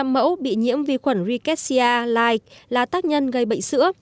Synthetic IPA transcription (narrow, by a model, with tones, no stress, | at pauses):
a˧mmə̰˧˥wɓḭ˧˨ɲḭ˧˥əmvi˨˧˩xwə˧˩nzi˧kɛ˦˥t̚si˧aː˧laː˧i˨˩k̚laː˨˩t̪aː˦˥k̚ɲə˧nɣə˨˩jɓə̰˧˨ŋ̟sɨ̰˧˥ə